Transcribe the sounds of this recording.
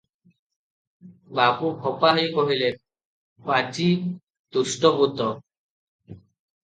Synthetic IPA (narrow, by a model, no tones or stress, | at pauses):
bapubʱɔpaɦɔjkɔɦile | pat͡ʃi | d̪usʈɔbut̪ɔ